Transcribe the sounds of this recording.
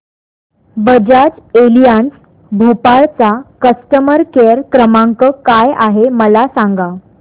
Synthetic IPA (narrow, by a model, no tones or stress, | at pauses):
bəd͡ʑad͡ʑelijans | bʱopaɭt͡sakəst̪əməɾkeɾkɾəmaŋkəkajaɦeməlasãŋɡa